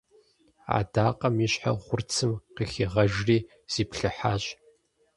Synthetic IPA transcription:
a̰ːdaːqʼɐmiɕħaχʷʊrt͡sʰɨmqixiʁɐʒriː | z̥iːpɬɨħaːɕ

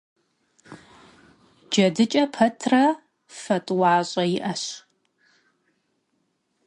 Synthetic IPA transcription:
d͡ʒɐdɨt͡ʃʼɐpʰɐtʰrɐ | fɐtʼwɑːɕʼɐjɪʔɐɕ

